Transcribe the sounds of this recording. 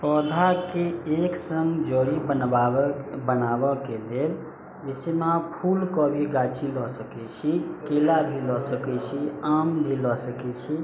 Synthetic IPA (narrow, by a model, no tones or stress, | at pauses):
pɔd̪ʱakeeksəmd͡ʒoɾibənbabənabɔkelel | d͡ʒesemapʰulkɔbʱiɡat͡ʃilɔsəkɛt͡ʃʰikelabʱilɔsəkɛt͡ʃʰiambʱilɔsəkɛt͡ʃʰi